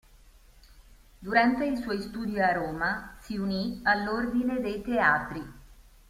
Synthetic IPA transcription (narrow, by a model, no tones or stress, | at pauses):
d̪uɾant̪eilswɔjst̪uːd̪iaɾoːmasiunialːord̪ined̪ejt̪eaːt̪ɾi